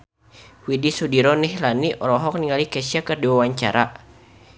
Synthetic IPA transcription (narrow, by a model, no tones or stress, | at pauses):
widisudiɾɔnihlaniʔɔɾɔɦɔk̚niŋalikɛsiakərdiwawaɲt͡ʃa̰ɾʔa